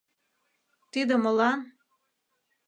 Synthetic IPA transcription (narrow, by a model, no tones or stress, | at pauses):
t̪id̪əmə̆lɑn